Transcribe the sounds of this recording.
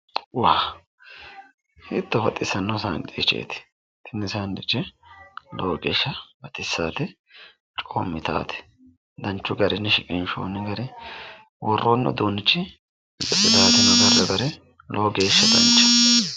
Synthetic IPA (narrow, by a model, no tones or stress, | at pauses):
waː | hɪt̪ːɔbɐt̪ʼːɪsːɐnːɐwsɐŋkʼit͡ʃḛːt̪ɪ̥ | t̪ʰːɪnːɪsaːnd̪ɪt͡ʃːɛ | loːɡeːʃːɐbɐt̪ʼɪsːaːt̪ɛ | t͡ʃʼo̰ːmːɪt̪a̰ːt̪ɛ̥ | d̪ɐnt͡ʃːʊɡɐɾɛnːɛʃɪkʼɪnʃo̰ːnːɛɡɐɾɛ | wɔrːoːnːɔ̰d̪uːnːɪt͡ʃːɪ | ɛsʼɪt̪aːt̪ɛnɐɡɐrːɛbɐɾɛ | lʔoːɡe̞ːʃːɐd̪ɐ̰nt͡ʃːɐ̥